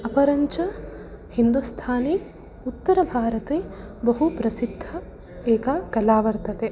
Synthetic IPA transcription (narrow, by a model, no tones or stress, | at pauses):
ɐpɐɾɐɲt͡ʃɐ | hind̪ust̪ʰaːne | ut̪ːɐɾɐbʱaːɾɐt̪eː | bɐɦupɾɐsid̪ʱːɐ | eːkɐkɐlaːʋɐɾt̪ɐt̪e